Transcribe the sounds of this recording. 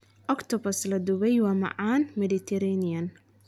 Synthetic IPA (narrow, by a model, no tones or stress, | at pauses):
ʔɔkt̪ʰɔbɐslɐd̪ʊwɛjwɑːmɑ̰ʕaːnmɛd̪it̪ʰɛɾaniɐn